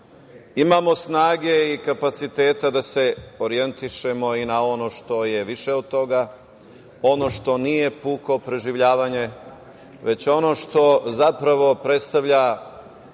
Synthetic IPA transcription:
imamo̞snaːɡe̞ikapat̪sit̪e̞ːt̪ad̪ase̞oɾije̞nt̪iʃe̞mo̞inao̞no̞ʃt̪o̞je̞ʋiʃe̞od̪̚t̪o̞ɡa | o̞no̞ʃt̪o̞nije̞puːkopɾe̞ʒiʋʎaːʋaɲe | ʋe̞t͡ɕo̞no̞ʃt̪o̞zapɾaʋo̞pɾe̞t̪st̪aʋʎa

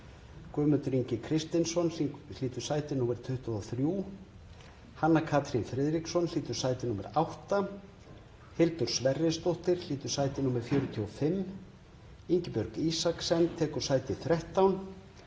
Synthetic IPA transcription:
kœːmʏnt̪ʏɾiɲcɪkʰɾɪst̪ɪnsɔnliːt̪ʏɾ̥saːjt̪ɪnuːmɛɾ̥t̪ʰʏht̪aðθɾjuː | hanːakʰaːt̪ɾinfɾɛːðɾiksɔnl̥iːt̪ʏɾ̥saːjt̪ɪnuːmɛ̰ɾawht̪a | hɪlt̪ʏɾ̥svɛrːɪst̪oht̪ɪɾ̥liːt̪ʏɾ̥saːjt̪ɪnuːmɛɾ̥fjœːɾʏt̪ʰiɔfɪmː | iɲcɪpœɾkisaksɛnt̪ʰɛːkʏ̥saːjt̪ɪθɾɛht̪awn

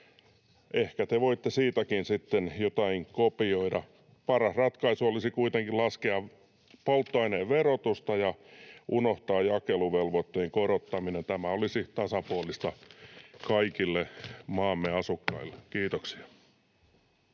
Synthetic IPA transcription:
ehkæt̪eʋoit̪ːesiːt̪ækinsit̪ːenjot̪ɑhiŋkopioidɑ | pɑrɑsrɑt̪kɑisuolisikuit̪eŋkilɑskeɑ | polt̪ːɑineʋʋerot̪ust̪ɑjɑʔunoht̪ɑːjjɑkeluʋelʋot̪ːeiŋkorot̪ːɑminent̪æmæolisit̪ɑsɑpuolist̪ɑkɑikilːemɑːmːeɑsukːɑilːe̥kiːt̪oksi̥ɑ̥

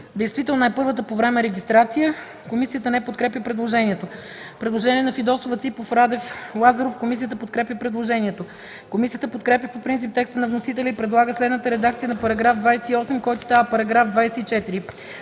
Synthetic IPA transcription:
d̪ɛjst̪vit̪ɛlˠnonajpɤɾvət̪əpovɾɛmɛɾɛɡʲist̪ɾat̪sijə | komisijət̪ənɛpot̪kɾɛpjʲəpɾɛd̪lˠoʒɛniɛt̪o | pɾɛd̪lˠoʒɛniɛnɐfid̪ɔsovət̪sipofɾad̪ɛflˠazɐɾofkomisijət̪̬əpot̪̚kɾɛpʲjəpɾɛd̪lˠoʒɛniɛt̪o | komisijət̪əpot̪kɾɛp̬ʲjəpopɾint̪sip̚t̪ɛkst̪ənɐvnosit̪̬ɛlʲɛipɾɛd̪lˠaɡəslɛd̪nət̪əɾɛd̪ak̚t̪sijənɐpɐɾɐɡɾafd̪vajsɛiɔsɛmkɔjt̪o̥st̪avəpɐɾɐɡɾafd̪vajsɛit͡ʃɛt̪iɾi

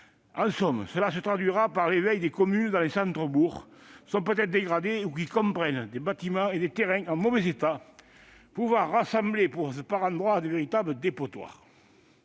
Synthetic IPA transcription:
ɑ̃sɔmsəlasət̪χad̪ɥiʁapaʁlevɛjd̪ekɔmynd̪ɑ̃lesɑ̃nt̪χəbuʁsɔ̃pøt̪ɛt̪χəd̪eɡʁad̪eukikɔ̃mpχɛnd̪ebat̪imɑ̃ed̪et̪eʁɛ̃ɑ̃movɛzet̪a | puvwaʁːasɑ̃mblepuʁsəpaʁɑ̃nd̪ʁwad̪əveʁit̪abləd̪epot̪wa̰ʁ

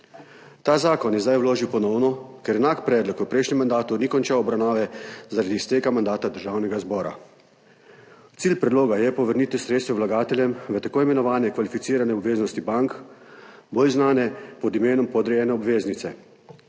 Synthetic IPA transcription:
t̪aːzaːkɔnjɛzd̪ajwloːʒiwpɔnɔwnɔkɛɾɛnaːkpɾɛːd̪lɔkʋəpɾɛjʃnʲɛmːand̪aːt̪unikɔnt͡ʃaɔbɾawnaːʋɛzaɾad̪iːst̪eːkamand̪aːt̪ad̪əɾʒaːwnɛɡazbɔːɾa̰ | t̪siːlpɾɛd̪loːɡajɛpɔʋəɾniːt̪isɾet̪st̪ʋɛwlaɡaːt̪ɛljɛmʋət̪akoːimɛnɔʋaːnjɛkʋalifit̪siːɾanɛɔbʋeːznɔst̪ibaŋk | boːlznaːnɛpɔd̪imeːnɔmpɔd̪ɾɛjɛnɛɔbʋeːznit̪sɛ

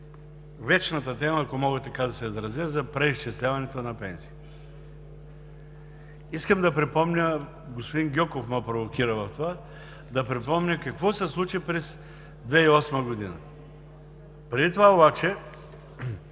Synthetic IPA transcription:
vɛt͡ʃnɐt̪ət̪ɛməːkomɔɡət̪ɐkad̪ɐsɛizɾɐzəzɐpɾɛiʃt͡ʃɛslʲavɐnɛt̪onɐpɛnsi̥ː | iskəmd̪ɐpɾɛpɔmnʲə | ɡospod̪inɡʲɔkofmopɾovokʲiɾɐvɐft̪ova | d̪ɐpɾɛpɔmɲʲəkɐkvɔsɛslˠut͡ʃipɾɛs | d̪vɛiɔsmɐɡod̪inɐ̰ | pɾɛd̪it̪ovaobat͡ʃɛ

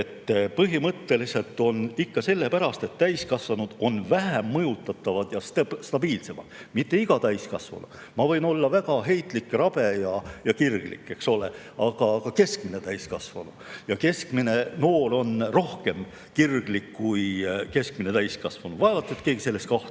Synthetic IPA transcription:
et̪ːpɤɦimɤt̪ːe̞lise̞lt̪ːˑo̞nikːɑse̞lːe̞pæɾɑst̪e̞t̪ːæjskɑsvɑnud̪̥o̞nvæɦæmːɤjut̪ːˑɑt̪ːˑɑvɑd̪̥jɑst̪st̪ɑb̥iːlse̞mɑ̰d̪̥mit̪ːe̞iɡ̥ɑt̪æjskɑsvɑ̰nṵd̪̥ | mɑvɤ̞jno̞lːɑvæɡɑɦe̞jt̪ˑlikˑrɑb̥e̞jɑjɑkirɡ̥lḭkːˑe̞kso̞le̞̰ | ɑɡ̥ɑkɑke̞skmine̞t̪æjskɑsvɑnu̥jɑke̞skmine̞no̞ːlo̞nro̞hke̞m | kirɡ̥likːujke̞skmine̞t̪æjskɑsvɑnud̪̥vɑevɑt̪set̪ke̞ːɡise̞lːe̞st̪kɑht̪

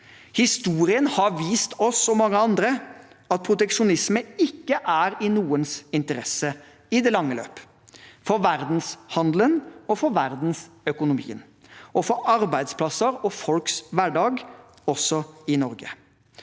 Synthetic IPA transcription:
hɪst̪uːɾɪənhɑɾʋiːst̪ʰɔsɔmɑŋːəɑnd̪ɾə | ɑt̪̚pʰɾʊt̪ɛkʂʊnɪsməɪkːəʔæːɾɪnuːənsɪnt̪əɾɛsːə | ɪd̪ɛlɑŋːəlø̰ːp | fɔɾʋæɾd̪n̩shɑnd̪lənɔfɔɾʋæɾd̪n̩s | œkʊnʊmḭːən | ɔfɔɾɑɾbæɪd̪spʰlɑsəɾɔfɔlksʋæɖɑːɡ | ɔsːɔɪnɔɾɡə̰

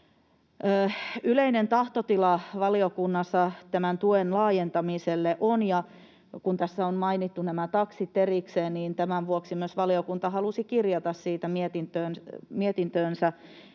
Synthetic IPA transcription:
əːyleinent̪ɑht̪ot̪ilɑʋɑliokunːɑsːɑt̪æmænt̪uenlɑːjent̪ɑmiselːeʔonjɑ | kunt̪æsːæonmɑinit̪ːunæmæt̪ɑksit̪erikseːnniːnt̪æmæʋʋuoksimyøsʋɑliokunt̪ɑhɑlusikirjɑt̪ɑssiːt̪æmiet̪int̪øːnmiet̪int̪øːnsæ

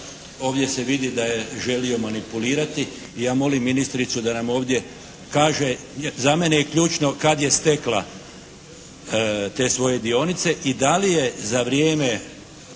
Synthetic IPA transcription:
o̞ːʋd̪je̞se̞ʋid̪id̪aje̞ʒe̞lio̞manipuliːɾat̪iː | jaːmo̞limːinist̪ɾit̪sud̪anamo̞ːʋd̪je̞ | kaːʒe̞ | zame̞nejekʎuːt͡ʃno̞kad̪je̞st̪e̞kla | t̪e̞ːsʋo̞je̞d̪io̞nit̪se̞ʔid̪alije̞zaʋɾje̞ːme

